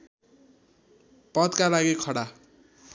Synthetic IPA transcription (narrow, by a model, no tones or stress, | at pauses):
pʌd̪kalaɡikʰʌɽa